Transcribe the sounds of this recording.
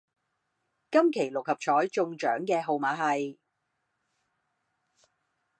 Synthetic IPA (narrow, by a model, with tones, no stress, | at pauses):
kɐ˥mkʰe˨˩jlʊ˨k̚hɐ˨p̚t͡ʃʰɔː˨˥jt͡sʊ˧ŋt͡ʃœː˨˥ŋkɛː˧ɦo˧wmaː˨˥ɦɐ˨j